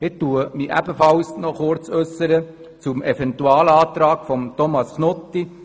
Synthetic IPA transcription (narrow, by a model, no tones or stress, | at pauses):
ɪt̪ːuəmiʔæ̰bəfɑwsnɔχʊɾt͡sœsːəɾə | t͡sʊmʔɛfɛnt̪uɑːlɑːt̪ɾɑːɡ̥fɔmt̪ɔmɑsknɔt̪ːi